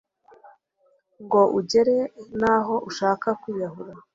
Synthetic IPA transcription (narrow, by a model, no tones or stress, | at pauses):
ŋɡo̞ʔuɟe̞ɾe̞naːɦo̞ʔuʃaːkakuːβahuɾa